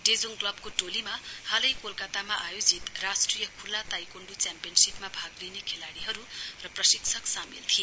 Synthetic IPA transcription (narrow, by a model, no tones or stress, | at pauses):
ɖed͡zoŋklʌbkoʈolimahalʌjkolkat̪amaʔajod͡zit̪rasʈrijʌkʰulːat̪ajkoɳɖut͡sjampijʌnsipmabʱaɡlinekʰelaɽiɦʌɾurʌprʌsiksʰʌksamilt̪ʰie